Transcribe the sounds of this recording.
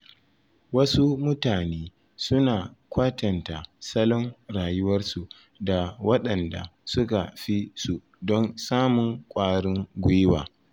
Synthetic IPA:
wɐ˦su˦mʊ˦taː˨neː˦ | sʊ˦naː˨kʷaː˦tɐ˨ntaː˨sɐ˦lɔ˦ŋɽaː˨jʊ˦wɐ˦rsu˨ | da˨wɐ˦ɗɐ˨nda̰˨sʊ˦ka˨ɸi˦su˨ | dɔ˦nsaː˦mʊ˨ŋkʷʼaː˦ɽɪ˦ŋɡʷʊ˦jɪ˦wa̰ː˨

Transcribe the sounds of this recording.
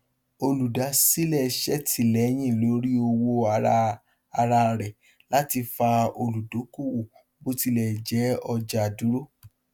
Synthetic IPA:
o˧lu˨da˨˦si˦lɛ˦˨ʃɛ˦tʰi˨lɛ˨˦j̃ĩ˦˨lo˨˦ɾi˦o˧wo˧a˨˧ɾa˧ | a˧ɾa˧ɾɛ˨ | la˦ti˧fa˧o˧lu˨do˨˦ku˦˨wo˨ | bo˦ti˧lɛ˨d͡ʒɛ˨˦ɔ˧d͡ʒa˧˨du˨˦ɾo˦˨

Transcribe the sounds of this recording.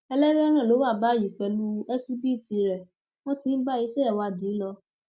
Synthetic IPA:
ɛ˧lɛ˦ɾɛ˦ɔ˦nã˦˨o˨˦wa˦˨ba˦˨ji˨k͡pɛ˧˨lu˦ɛ˦si˦bi˦˨ti˧˨ɾɛ˨ | w̃ɔ̃˦tĩ˧˦n̩˦ba˦i˦sɛ˦ɛ˦˨wa˧˨di˨˦lɔ˧

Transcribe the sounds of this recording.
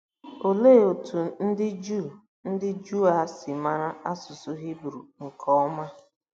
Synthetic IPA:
o˨le˦˨o˨tʰu˨n̩˦dɪ˦d͡ʒu˦˨ | n̩˦dɪ˦d͡ʒu˦a˨sɪ˨ma˦ɾa˦a˦sʊ˨sʊ˦ɦi˦bɾu˨ŋ̩˨kʰɔ˦ɔ˦ma˦

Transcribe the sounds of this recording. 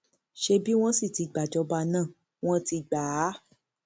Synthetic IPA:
ʃe˧bi˦w̃ɔ̃˦si˦˨ti˨˧ɡ͡ba˨d͡ʒɔ˧ba˧nãː˦˨ | w̃ɔ̃˦ti˧ɡ͡baː˨˦˨

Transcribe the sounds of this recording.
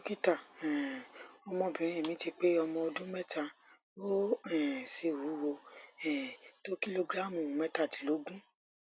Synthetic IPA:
o˦ki˦ta˦˨ɛ˨ɔ˧mɔ̃˧˨bĩ˨ɾ̃ĩ˨mĩ˨˦ti˧k͡pe˦ɔ˧mɔ̃˧o˧dũ˦mɛ˦ta˧ | bo˦ɛ˨si˧˨wu˨˦wo˧ɛ˨to˦ki˦lo˧ɡɾa˦˨mũ˨˦mɛ˦ta˦˨ti˨˦lo˨˦ɡũ˦

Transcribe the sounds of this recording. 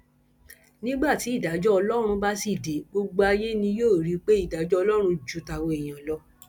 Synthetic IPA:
nĩ˦ɡ͡ba˦˨ti˨˦i˦˨da˨˦d͡ʒɔ˦ɔ˧lɔ˦ɾ̃ũ˧ba˦si˦˨de˨˦ɡ͡bo˧ɡ͡bo˧a˧je˦nĩ˧joː˦˨ɾi˨˦k͡pe˦i˦˨da˨˦d͡ʒɔ˦ɔ˧lɔ˦ɾ̃ũ˧d͡ʒu˨˦ta˧wo˧e˨j̃ã˨lɔ˧˦

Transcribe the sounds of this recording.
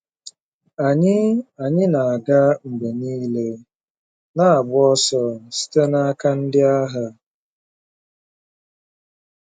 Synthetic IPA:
a˨ɲɪ˦a˨ɲɪ˦na˨a˨ɡa˦ŋ͡m̩˨ɡ͡be˨niː˦le˦ | na˦a˨ɡ͡bʊ˦ɔ˦sɔ˦si̥˦te˦na˦ka˦n̩˦dɪ˦a˦ɦa˨

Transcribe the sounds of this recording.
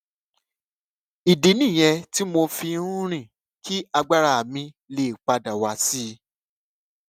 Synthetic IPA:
i˨di˨˦nĩ˦˨j̃ɛ˧ti˦mo˧fi˧nũ˦ɾ̃ĩ˦˨ | kʰi˦a˧ɡ͡ba˦ɾa˦˨mĩ˧ | le˨k͡pa˧da˨wa˧˦si˦

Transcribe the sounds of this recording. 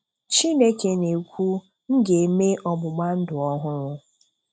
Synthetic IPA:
t͡ʃi˦ne˦ke˨ne˨kʷu˦ | ŋ̩˦ɡe˨˦me˦ʔɔ˨bʊ˨ɡ͡ba˦n̩˦dʊ˨ɔ˦ɦʊ˦ɾʊ˦

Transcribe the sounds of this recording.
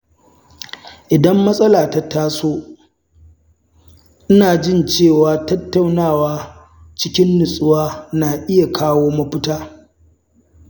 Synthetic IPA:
ʔɪ˨dɐ˦mːɐ˦sʼɐ˦laː˨ta˨taː˦soː˦ | ʔɪ˦naː˨d͡ʒɪ˦nt͡ʃeː˦˨waː˨tɐ˦tːa˨wnaː˦˨waː˦ | t͡ʃɪ˦kʲɪ˦nːʊ˨sʼʊ˦waː˦naː˨ʔɪ˦ja˨kʰaː˦woː˦mɐ˦ɸɪ˦taː˦

